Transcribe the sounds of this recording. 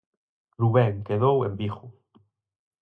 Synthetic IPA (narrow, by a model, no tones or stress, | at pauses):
ruβɛŋkeðowembixu